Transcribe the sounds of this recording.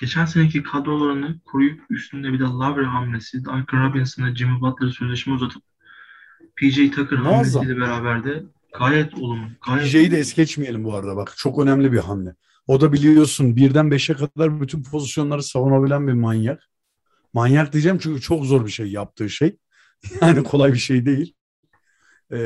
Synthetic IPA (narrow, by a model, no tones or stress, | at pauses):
ɟ̥e̞t͡ʃʰæns̬enecʰikʰad̪olˠaɾanɯkʰoɾujupyst̪ʰynd̪ɛbid̪alˠabɾiɦamlʲesid̪aɾkʰaɾabinasɯnd̪ad͡ʒimubat̪lˠaɾɯsøzlʲeʃmɛuzat̪ʰɯ̥p̚ | pʰid͡ʒejit̪ʰakʰɯɾhaamːezsailʲɛbeɾaːbæɾd̪ɛ | ɡ̥aːjɛt̪ʰolˠumɡ̥ajid͡ʒejid̪ɛɛsɟɛt͡ʃmije̞lʲimbuaɾad̪abakt͡ʃʰo̞kø̞næmlʲibiɦamlʲɛ | o̞d̪abilʲijo̞ɾsunbiɾd̪ænbeʃɛkad̪aɾbyt̪ʰynpʰo̞zisjo̞nlˠaɾɯsavonabilʲænbiɾmanjak | manjakd̪ijd͡ʒɛmt͡ʃʰyɲcyt͡ʃʰo̞kzo̞ɾbiʃejjap̚t̪ʰɯːʃej | jaːnikʰo̞lˠajbiʃe̞jd̪e̞jilʲ | ɛ